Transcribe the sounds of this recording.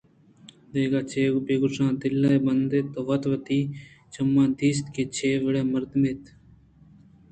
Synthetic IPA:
d̪eːɡaːt͡ʃʰeːbeːɡʊsãːd̪ɪlːaːeːbənd̪eːt̪ːoːʋət̪ʋət̪iː | t͡ʃəmːãːd̪iːst̪keːt͡ʃʰeːʋəɽeːməɾd̪meːt̪

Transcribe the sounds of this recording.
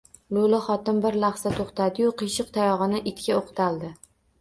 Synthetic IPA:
lˠʊlaχɒt̪ɪmbɪɾlaχsat̪ʰoχt̪ʰad̪ɪjʊqʰɨʃɨqt̪ʰajɒʁɨnɪʔɪt̪kʲaoqt̪ʰalˠd̪ɪ

